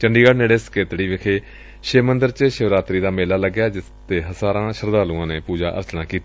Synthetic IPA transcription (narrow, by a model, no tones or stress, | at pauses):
t͡ʃəɳɖiːɡəɽneːɽeːskeːt̪ɽiːʋɪkʰeː | ʃeːmənd̪əɾt͡ʃəʃəʋɾaːt̪ɾiːd̪aːmeːlaːləɡjaːd͡ʒɪst̪eːɦəzaːɾãːʃəɾd̪aːlũãːneːpuːd͡ʒa̰ːʔə̰ɾt͡ʃnaːkiːt̪ː